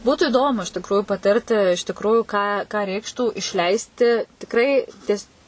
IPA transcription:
ˈbuːtuː ɪˈdoːmʊ ɪʃ tʲɪkruːjʊ pɐˈtʲɪrʲtʲɪ ɪʃ tʲɪkˈruːjʊ kɑː kɑː ˈrʲɛɪkʃtuː ɪʃʲˈlʲɛɪsʲtʲɪ tʲɪkˈrɐɪ tʲiɛs

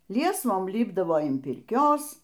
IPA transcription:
ˈlʲiɛsʋoːm ˈlʲɪbdɐʋoː ɪn pʲɪrʲˈkʲoːs

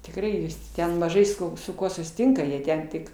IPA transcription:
tʲɪkˈrɐɪ jɪs ˈtʲɛn mɐˈʒɐɪ sʊ sʊ ˈkuɔ sʊsʲɪˈtʲɪŋkɐ jiɛ ˈtʲɛn tʲɪk

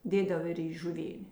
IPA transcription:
ˈdʲeːdɐw ɪr iː ʒʊˈʋʲeːnʲeː

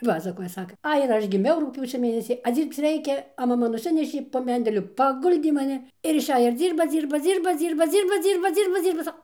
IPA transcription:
ˈpɑːsɐkoːjɛ ˈsɑːkɐ ˈɐɪ ɪr ˈɐʃ ɡʲɪˈmʲɛʊ rʊkˈpʲjuːt͡ʃʲoː ˈmʲeːnʲɛsʲiː ɐ ˈd͡zʲiːrpt͡s ˈrʲɛɪkʲɛ ɐ mɐˈmɐ nʊˈsʲɪnʲɛʃʲeː poː ˈmʲɛnʲdʲɛlʲʊ pɐˈɡʊlʲdʲeː mɐˈnʲɪ ɪr ɪʃʲˈɛj ɪr ˈd͡zʲiːrbɐ ˈd͡zʲiːrbɐ ˈd͡zʲiːrbɐ ˈd͡zʲiːrbɐ ˈd͡zʲiːrbɐ ˈd͡zʲiːrbɐ ˈd͡zʲiːrbɐ ˈd͡zʲiːrbɐ ˈsɐ

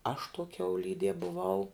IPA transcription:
ɐʃ tuɔ kʲɛʊˈlʲiːdʲiɛ bʊˈʋɐʊ

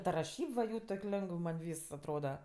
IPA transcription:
tɐ rɐˈʃʲiːp ʋɐ ˈjuː toːkʲ ˈlʲɛŋɡəw mɐnʲ ˈʋʲiːs ɐtˈroːdɐ

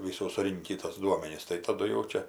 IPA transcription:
ʋʲɪˈsuː sʊˈrʲɪŋʲkʲiː toːs ˈduɔmʲɛnʲɪs tɐɪ tɐˈdʊ jɛʊ ˈt͡ʃʲɛ

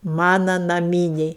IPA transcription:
ˈmɑːnɐ nɐˈmʲiːnʲɛɪ

